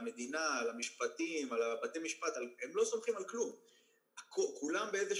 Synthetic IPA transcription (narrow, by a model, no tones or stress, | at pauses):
me̞d̪inaːlamiʃpat̪imalabat̪ejmiʃpat̪alhemlo̞somχimalklum | akokulambeeze